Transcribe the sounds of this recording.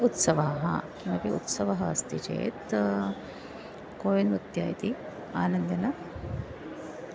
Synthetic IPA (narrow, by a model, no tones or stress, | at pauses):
ut̪sɐʋaɦɐ̰ | nɐpiʔut̪sɐʋɐɦɐɐst̪ʰit͡ʃḛːt̪ | koːjɐnut̪jaːjt̪i | aːnɐnd̪ɐnɐ